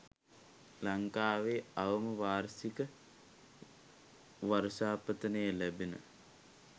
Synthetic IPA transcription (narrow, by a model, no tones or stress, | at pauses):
laŋkaːʋeːaʋəməʋaːɾsikə | ʋaɾʃaːpət̪ənəjəlæbenə̰